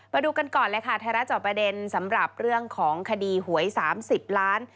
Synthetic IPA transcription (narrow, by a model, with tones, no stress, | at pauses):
ma˧duː˧ka˧nkɔː˨˩nlɛ˦˥kʰa˥˩t̪ʰaː˧ɾa˦˥t͡ɕɔː˨˩kpɾa˧de˧nsa˩˦mɾa˨˩p̚ɾɯ˥˩əŋkʰɔː˩˦ŋkʰa˧diː˧ɦu˩˦əjsaː˩˦msi˨˩p̚laː˦˥n